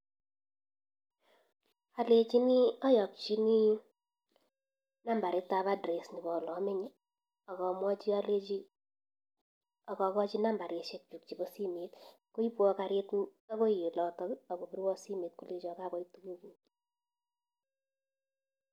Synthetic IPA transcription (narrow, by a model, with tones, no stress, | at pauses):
a˨le˨t͡ʃi˦ni˦ɔ˦jɔ˨k̚t͡ʃi˦ni˦ | na˦mba˨ɾe˨˦ta˨βa˦dɾe˨sni˨bɔ˨lɔ˨˦me˦ɲi˦ | ɔ˨kɔ˨mwɔ˦t͡ʃi˦a˦le˦t͡ʃi˦ | ɔ˨kɔ˨kɔ˦t͡ʃi˦na˦mba˨ɾe˨ʃe˦k̚t͡ʃu˨k̚t͡ʃi˨bo˦si˦me˨t | ko˦i˦pwɔ˦ka˨˦ɾe˦ta˦ko˦je˨lɔ˨tɔ˦a˨bo˨bi˦ɾwɔ˦si˦meː˨t̚ku˦le˦t͡ʃɔ˨ka˦bɔ˦i˦tu˦ku˦ki˨˦